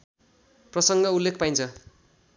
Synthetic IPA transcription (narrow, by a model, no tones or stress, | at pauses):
prʌsʌŋɡʌulːekʰpaj̃nt͡sʰʌ